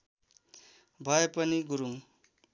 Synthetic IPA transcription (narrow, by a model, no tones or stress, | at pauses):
bʱʌjpʌniɡuɾuŋ